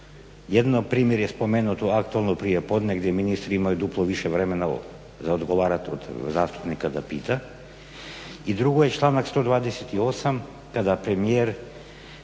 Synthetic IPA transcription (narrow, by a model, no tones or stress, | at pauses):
jed̪nopɾiːmjeɾjespomenut̪oakt̪uelˠnopɾijepod̪neɡd̪jeminist̪ɾiimajud̪uplˠoʋiʃɛʋɾemena̰ | zaod̪ɡoʋaɾat̪od̪zast̪u̥pnikad̪apiːt̪a | id̪ɾuɡojet͡ʃlˠanakst̪o̞d̪vaːd̪eset̪iosam | kad̪apɾemijeɾ